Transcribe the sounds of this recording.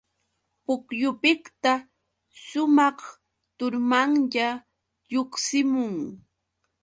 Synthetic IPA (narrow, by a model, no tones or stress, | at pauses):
pʊkjʊpɪkt̪a | ʃʊmɑχ | t̪ʊɾmaŋʎa | ʎoχsɪmʊŋ